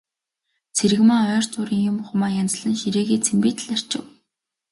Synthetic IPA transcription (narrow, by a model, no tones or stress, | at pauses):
t͡sʰeɾɘɣmaːɔr̥t͡sʊːɾiːŋjʊmχʊmaːjant͡s̆ɮə̆nʃiɾeːɣiːt͡sʰempiːt̪̆ʰɮar̥t͡ɕɪ̰̆w